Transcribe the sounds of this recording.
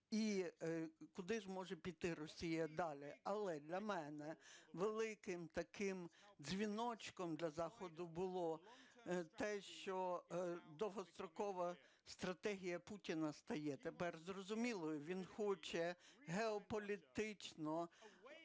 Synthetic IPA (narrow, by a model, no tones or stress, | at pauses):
i | kʊd̪ɪʒmɔʒɛpʲit̪ɪɾɔsʲijɐd̪ɑlʲɪɐlˠɛd̪lʲɐmɛnɛʋelˠɪkɪmt̪ɐkɪmzʲʋʲinɔt͡ʃkɔmd̪lʲɐzɑxɔd̪ʊbʊlˠɔ | t̪ɛʃt͡ʃɔ | d̪ɔɦɔst̪ɾɔkɔʋɐ | st̪ɾɐt̪ɛɦʲijɐputʲinɐst̪ɐjɛt̪epɛrzrɔzʊmʲilˠɔjʊʋʲinxɔt͡ʃɛɦeɔpɔlʲit̪ɪt͡ʃnɔ